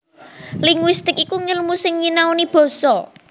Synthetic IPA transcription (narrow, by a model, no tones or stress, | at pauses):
liŋwist̪ɪkikuŋəlmusɪŋɲinaunib̥ɔ̤sɔ